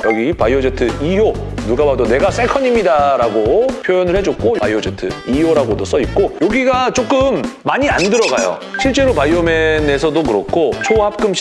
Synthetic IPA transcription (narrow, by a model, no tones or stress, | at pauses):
jʌɡipajod͡ʑetʰɯijo | nuɡabadone̞ɡas͈ʰe̞kʰʌɲimidaɾaɡopʰjojʌnɯɭhe̞d͡ʑok͈oa̰jod͡ʑetʰɯ̰ijoɾaɡodos͈ʌit̚k͈ojoɡiɡat͡ɕ͈ok͈ɯmːaɲiandɯɾʌɡajo̰ | ɕʰiɭt͡ɕ͈e̞ɾopajome̞ne̞sʰʌdokɯɾʌk̚k͈ʰot͡ɕʰohap̚k͈ɯmɕ